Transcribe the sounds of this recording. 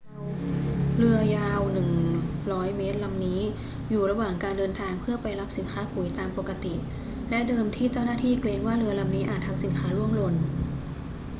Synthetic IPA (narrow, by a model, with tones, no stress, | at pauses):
ɾɯ˧ɐjaː˧wnɯ˨˩ŋɾɔː˦˥jmeː˦˥t̪̚la˧mniː˦˥ | juː˨˩ɾa˧waː˨˩ŋkaː˧ndɤː˧nt̪ʰaː˧ŋpʰɯ˥˩ɐpa˧jla˦˥p̚si˨˩˦nkʰaː˦˥pu˨˩˦jt̪aː˧mpo˨˩ka˧t̪i˨˩ | lɛ˦˥ʔdɤː˧mt̪ʰiː˥˩t͡ɕa˥˩wnaː˥˩t̪ʰiː˥˩kleː˧ŋwaː˥˩ɾɯ˧ɐla˧mniː˦˥ʔaː˨˩t̪ʰːa˧msi˩˦nkʰaː˦˥lu˥˩əmlo˧n